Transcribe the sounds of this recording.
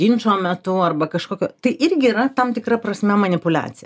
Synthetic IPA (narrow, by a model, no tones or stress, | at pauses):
inʲt͡ʃoːmʲɛt̪ʊɐrbɐkɐʃkoːkʲoːt̪ɐɪʔɪɾʲɡʲɪːɾɐt̪ɐmt̪ʲɪkɾɐprɐsʲmʲɛmɐnʲɪpʊlʲæ̰ːt͡ssʲɪjɛ